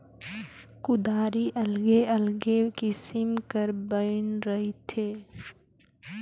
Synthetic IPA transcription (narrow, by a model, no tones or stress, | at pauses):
kʊd̪aːɾiʔɐlɡeʔəlɡekisɪmkəɾbəɪnɾəɦit̪ʰeː